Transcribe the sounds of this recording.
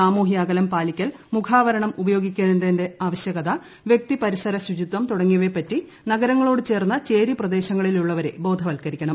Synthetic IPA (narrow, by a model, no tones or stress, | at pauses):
aːmuːɦijaːɡɐlɐmpaːlikʲːɐlmukʰaːʋɐɾɐɳɐmubɐjo̞ːɡikʲːuɐðindɐðinde̞aːʋɐɕjɐɣɐd̪a | ʋjek̚t̪ipɐɾisɐɾɐsud͡ʑud̪wɐmt̪uɽɐŋːijɐʋe̞pɐtːi | nɐɡɐɾɐŋːɐɭo̞ːɽɨt͡ɕe̞ːrnːɐt͡ɕe̞ːɾiprɐd̪e̞ːɕɐŋːɐɭiluɭːɐʋɐɾe̞̰bo̞ːd̪ʱɐʋɐlkɐɾikʲːɐɳɐm